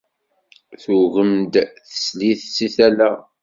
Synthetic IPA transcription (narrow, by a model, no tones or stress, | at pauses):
θuɣəmd̪θə̥sliθsiθælæ